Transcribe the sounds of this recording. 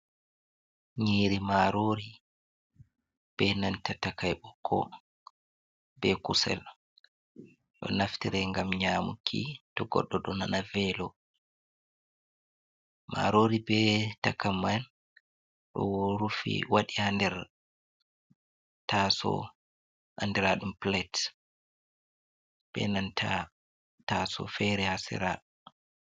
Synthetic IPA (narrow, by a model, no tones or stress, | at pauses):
ɲiːɾimaɾoːɾi | b̥ɛnantatakajɓɔkʰːɔ̰ | bɛkusɛ̰l | ɗɔ̰naftiɾɛŋɡamɲaːmṵkʰitɔɡɔ̰ɗːɔɗɔnanavɛlɔ | ma̰ɾoːɾibɛtakːamːan | ɗɔ̰wɾufḭwaɗihandɛɾ | tasɔ̰ | ʔandɛɾaɗumplɛt | b̥ɛ̰nantʰa | tasɔ̰fɛɾɛhasɛ̰ɾa